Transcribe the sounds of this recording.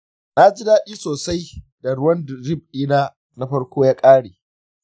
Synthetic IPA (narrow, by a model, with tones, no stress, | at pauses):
na˦d͡ʒi˦daː˦ɗiː˦soː˨sa˦j | da˨ɽʊ˦wɐ˦ndɾɪ˦˨b̚ɗiː˦naː˦ | na˦ɸɐ˦rkʷoː˦jaː˦kʼaː˦ɽeː˨